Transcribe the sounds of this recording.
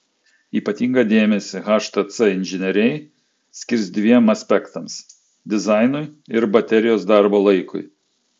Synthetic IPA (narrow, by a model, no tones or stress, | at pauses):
iːpɐt̪ʲiːŋɡɐd̪ʲeːmʲɛsʲɪɣɑːʃt̪ɐt̪sɛɪnʲʒʲɪnʲɛɾʲɛɪ | sʲkʲɪɾʲsd̪ʲʋʲiɛmɐsʲpʲɛkt̪ɐms | d̪ʲɪzɑˑɪnʊɪɪɾbɐt̪ʲɛɾʲɪjoːsd̪ɑˑɾboːlˠɐɪkʊ̰ɪ